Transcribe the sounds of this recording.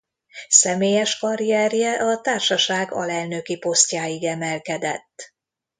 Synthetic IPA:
sɛmeːjɛʃkɒɾiɛrjɛʔɒt̪aːrʃɒʃaːɡɒ̰lɛlnø̞kipo̞st̪ʲjaːjiɡɛmɛlkɛd̪ɛ̰t̪ː

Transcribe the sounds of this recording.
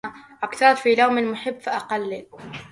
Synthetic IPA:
ʔakθɑɾˤtfiːlawmalmʊħɪbːfiʔɑqɑlːi

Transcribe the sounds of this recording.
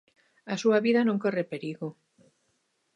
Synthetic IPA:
asuaβiðanõŋkorepeɾiɣo

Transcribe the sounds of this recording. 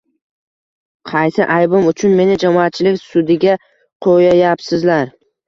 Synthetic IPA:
qʰɑjsɪʔajbʊmʊt͡ʃʰʊnme̞nɪd͡ʒamɒat̪̚t͡ʃʰɪlɪkʲsʊd̪ɪɡʲa | qʰojajapsɪzlaɾ

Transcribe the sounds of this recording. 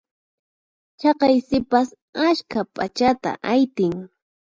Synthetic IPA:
t͡ʃɑqɑjsɪpas | askapʼat͡ʃat̪a̰ʔajt̪ɪŋ

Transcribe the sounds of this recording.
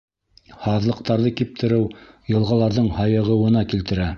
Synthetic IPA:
hɑðlˠɤ̆q̚t̪ɑɾðɤkip̚t̪ʰɘ̆ɾɘw | jɤ̆lˠʁɑlˠɑɾðɤɴhɑjɤ̆ʁɤ̆wɤ̆nɑkilt̪ɘ̆ɾæ

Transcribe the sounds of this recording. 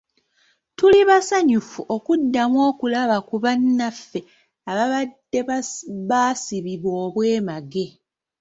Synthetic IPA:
tuliβasaɲufuʔo̞kudːamwo̞ːkulaβakuβanːafːe̞ | aβaβadeβaːsiβiβwo̞ːβwe̞ːmaɡe̞

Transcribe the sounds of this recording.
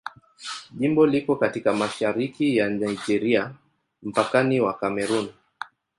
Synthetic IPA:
ʄimbɔlikɔkatikamaʃaɾikijanajd͡ʒɛɾia | m̩pakaniwakamɛɾun

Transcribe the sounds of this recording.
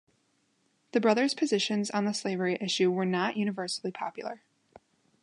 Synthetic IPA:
ðɨbɹʌðə˞z̥pʰɨzɪʃɨ̃nzn̩ðəsleɪvə˞iʔɪʃʉwə˞nəʔjʔʉnɨvɜ˞sl̩ˠipʰɑ̰pjl̩ˠə̰˞

